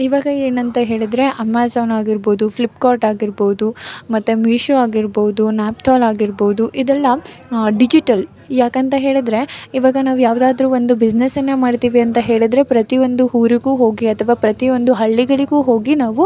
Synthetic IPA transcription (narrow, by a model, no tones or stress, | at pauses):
iʋaːɡɐeːnɐnt̪ɐɦe̞ːɭid̪ɾe̞ʔɐmːaːd͡ʒoːnaːɡiɾboːd̪upʰlipkaːɾʈaːɡiɾboːud̪umɐt̪ːumiːʃoaːɡiɾboud̪unaːp̚t̪ʰɔːlaːɡiɾboːud̪uʔid̪ɛlːɐ | ɖid͡ʒiʈɐl | jaːkɐnt̪ɐɦe̞ːɭid̪ɾe̞iʋaːɡɐnaːʋujaːʋd̪aːd̪ɐɾuːʋo̞nd̪ubid͡ʒnesɐnːemaːɖt̪iːʋiɐnt̪ɐɦe̞ːɭid̪ɾe̞pɾɐt̪iond̪uɦuːɾiɡuːɦo̞ːɡiɐt̪ʰɐʋaːpɾɐt̪io̞nd̪uɦɐɭːiɡɐɭiɡuːɦo̞ːɡinaːʋu